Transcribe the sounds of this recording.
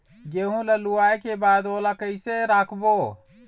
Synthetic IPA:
d͡ʒeɦũlaluajkebad̪olakəɪseɾakʰbo

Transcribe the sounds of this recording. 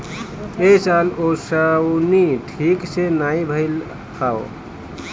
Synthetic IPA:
esalosəwniʈʰiksenaibʱəɪl | pʰaw

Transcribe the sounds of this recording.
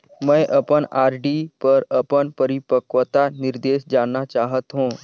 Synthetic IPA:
mɛ̃ːʔɐpənaːɾɖipɐɾɐpənpəɾɪpəkʋət̪anɪɾd̪eːʃd͡ʒaːnnat͡ʃaːɦət̪ɦũː

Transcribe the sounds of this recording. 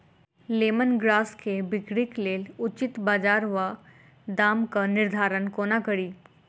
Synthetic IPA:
leːmənɡɾaːskebɪɡɽikleːlʊt͡ʃɪt̪baːd͡ʒaːɾʋa | d̪aːmkanɪɾd̪ʱaːɾənkoːnakəɾiː

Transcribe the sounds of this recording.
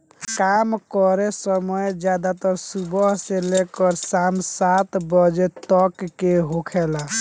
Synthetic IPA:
kamkɔɾesəməjd͡ʒjad̪at̪ɔɾsubəɦselekəɾsamsat̪bəd͡ʒet̪ɔkːeɦokʰela

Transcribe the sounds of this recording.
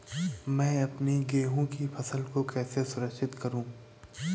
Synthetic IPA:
mɛ̃ːɐpniɡeːɦõkipʰɐsəlkokɛːsesʊɾəkʃɪt̪kɐɾũː

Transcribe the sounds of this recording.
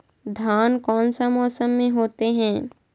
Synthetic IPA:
d̪ʱaːnkɔːnsamɔːsəmːẽɦoːt̪eɦɛ̃ː

